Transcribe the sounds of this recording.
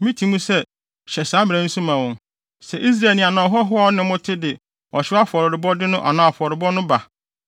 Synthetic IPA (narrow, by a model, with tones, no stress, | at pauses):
mĩ˦tʰi˨˦mũ˦sɛ˦ | ɕɛ˨saː˨˦mɪ̃˨ɾã˨n̩˦sũ˦mã˨wɔ̃˨n | sɛ˨ʔi˦s̬ɾa˨nĩ˨a˨nã˨ɦɔ˦ɦʊ˦a˨ɔ˦nɪ̃˦mʊ̃˦tʰɪ˦dɪ˨ | ɔ˨ɕɪ˦a˦fɔ˨ɾɪ˨ɾɪ˨bɔ˦dɪ˦nʊ̃˦ʔa˨nã˨a˨fɔ˨ɾɪ˨bɔ˦nʊ̃˦ba˨